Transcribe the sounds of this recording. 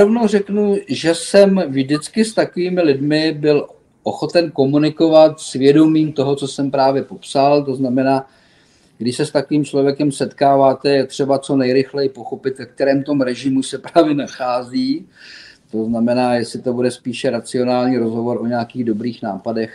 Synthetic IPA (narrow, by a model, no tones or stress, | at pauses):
ɾovno̞wrɛknuʒɛsɛmvʒdɪt͡skɪst̪akoviːmɪlɪdmɪbɪl | ʔoxo̞t̪ɛnko̞munɪko̞vat̪svjɛdo̞miːmt̪o̞ɦo̞t͡so̞sɛmpɾaːvjɛpo̞psalt̪o̞znamɛnaː | ɡdɪʃsɛst̪akoviːmt͡ʃlo̞vjɛkɛmsɛt̪kaːvaːt̪ɛjt̪r̝̥ɛbat͡so̞nɛjɾɪxlɛjɪpo̞xo̞pɪt̪vɛk̚t̪ɛɾɛːmt̪o̞mɾɛʒɪmusɛpɾaaːvjɛnaxaːziː | t̪o̞znamɛnaːjɛsɪt̪o̞budɛspiːʃɛɾat͡sɪo̞naːlɲiːɾo̞zɦo̞vo̞ɾʔo̞ɲɛakiːɣdo̞bɾiːxnaːpadɛx